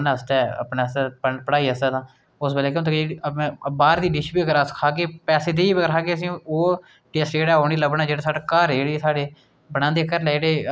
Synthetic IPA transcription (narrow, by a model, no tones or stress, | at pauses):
nəst̪ɛːə̰pnaːəspəpəɽaːiːəst̪ɛːd̪ãː | ʊsbəleːkeʊnt̪ekd͡ʒẽːbaːɾd̪iːɖɪʃbiːəɡəɾəskʰaːkeːpɛːseːd̪eːiːbəɡəɾkʰaːɡeːəsĩːoː | ʈeːsʈd͡ʒeːɽaːɦoːñiːləbnaːd͡ʒeːɽaːsaːɽaːkaːɾeːɽeːsaːɽeː | bəɽãːnd̪eːkəɾlɛːiɽeː